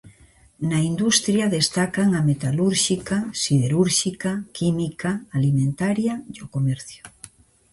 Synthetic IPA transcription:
naind̪ust̪ɾjaðest̪akaŋamet̪aluɾʃikasiðeɾuɾʃikakimikaːlimẽnt̪aɾjaiokomeɾθjo̥

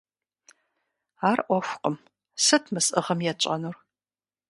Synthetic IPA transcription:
aːrʔʷɔxʷqəm | sɨtʰmɨsʼʔɨʁɐmjɛt͡ʃʼɐ̰nur

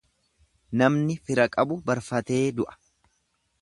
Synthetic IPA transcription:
nɐmnɪfɪɾɐkʼɐbʊbɐɾfɐt̪e̞ːd̪ʊʔɐ̥

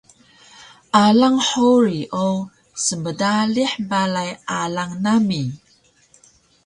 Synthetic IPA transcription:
ʔalaŋħuɾiʔo | səmədaliħbalajʔalaŋnami

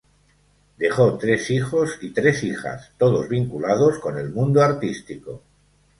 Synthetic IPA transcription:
d̪e̞χo̞t̪ɾe̞sixo̞sit̪ɾe̞sixa̰st̪o̞ðozβiŋkulað̞osko̞ne̞lmũnd̪oaɾt̪ist̪iko̞

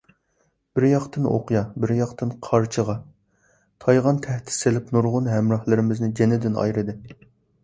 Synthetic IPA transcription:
b̥ɪɾjɑqt̪ɨno̰qjɑbɪɾjɑqt̪ɨnqʰɑɾt͡ʃʰəʁɑ | t̪ʰɑjʁɑnt̪ʰɛht̪ʰɪ̥selɪpnuɾʁʊnɦɛmɾɑhlˠɨɾɪmɪznɪd͡ʒɛnɪd̪ɪnɑ̰jɾɨd̪ɨ

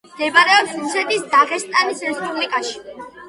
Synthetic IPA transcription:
md̪̥ɛbaɾɛɔpsusɛt̪isd̪aʁɛst̪ʼanisɾɛspʼublikʼaʃi̥

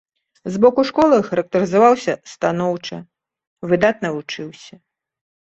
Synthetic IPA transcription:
zbɔkuʂkɔlˠɨxɐɾɐk̚t̪ɨɾɨzavawsʲɐst̪anɔwt͡ʂɐ | vɨd̪at̪̚nɐvut͡ʂɨwsʲɐ

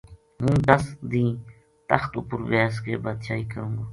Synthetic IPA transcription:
ɦũːd̪əsd̪ĩː | t̪əxt̪ṵpʊɾʋaːskḛːbəd̪t͡ʃʰaːiːkəɾũːɡoː

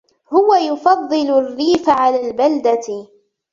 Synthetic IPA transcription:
hʊwajʊfɑðˤːɨlʊrːiːfaʕalaːlbald̪at

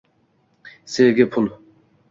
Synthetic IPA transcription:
seːɡʲɪpʰʊl

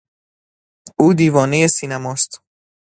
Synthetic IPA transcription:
uːd̪iːvɒːnejesiːnæmɒːst̪

